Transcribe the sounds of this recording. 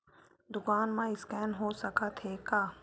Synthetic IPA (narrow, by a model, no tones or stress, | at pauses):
d̪ʊkaːnmãɪskɛːnɦosɐkat̪ʰɦeːkaː